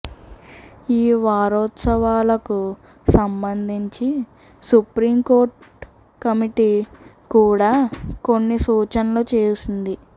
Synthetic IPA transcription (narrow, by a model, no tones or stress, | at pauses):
iːʋaːɾɔːt̪sɐʋaːlɐku | sɐmbɐnd̪ʱiɲt͡ʃi | supɾiːmko̞ːɾʈ | kɐmiʈiː | kuːɽaːkonːisuːt͡ʃɐnlo̞ːt͡ʃeːɾusund̪i